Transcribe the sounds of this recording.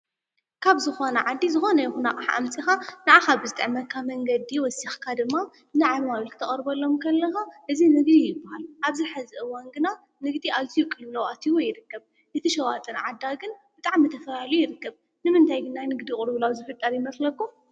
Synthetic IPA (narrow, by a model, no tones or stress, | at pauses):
kʰaβzɨxo̞nɐʕad̪ːizɨxo̞nɐjxunakʼaħʔa̰mt͡sʼixanɐʕaxabzɨt̪ʼɨʕmɐt̪̚kʰamɐŋɡɐd̪iwɔsixkʰad̪ɨmːa | nɨʕaaβlkʰɨt̪ʰɐ̰ɣʼɐɾbɐlːo̞mkʰɐlːɐxaʔɨzinɨɡd̪ijɪbːahalʔaβziħɨzɨʔɨwanɡɨna | nɨɡd̪iʔaβzijukʼːɨllɐwʔat̪ʰiwojɪɾɨkːɐβ | ʔɨt̪ʰiʃɐwat̪ʼɨnʕad̪ːaɡɨnb̥ɨt̪ʼaʕmɨt̪ʰɐfɐlalujɪɾɨkːɐβ | nɨmɨnt̪ʰajɡɨnanɨɡd̪ikʼuɾβɨlawzɨfɨt̪ʼːɐɾjɪmɐslɐkːum